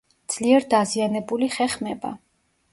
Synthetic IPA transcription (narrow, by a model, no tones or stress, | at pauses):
d̪z̥liɛɾd̪azianɛbuliχɛχmɛba̰